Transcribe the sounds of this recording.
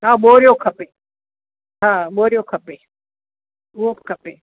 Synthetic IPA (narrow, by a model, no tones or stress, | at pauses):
ɦaːɓoːɾɪjokʰɐpe | ɦãːɓoːɾijokʰɐpeː | ʊɦobkʰɐpeː